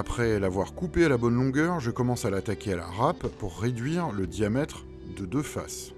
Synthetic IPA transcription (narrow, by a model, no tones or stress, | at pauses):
apχɛlavwaʁkupealabɔnlɔ̃ɡœʁʒəkɔmɑ̃salat̪akʲeala̰ʁapːuʁːed̪ɥiʁləd̪jamɛt̪χ | d̪əd̪øfa̰s